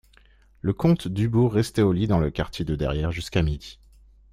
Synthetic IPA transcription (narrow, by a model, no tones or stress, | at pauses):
ləkɔ̃t̪d̪ybuʁːɛst̪ɛolid̪ɑ̃ləkaʁt̪ʰʲjed̪əd̪ɛ̰ʁjɛʁʒyskamid̪i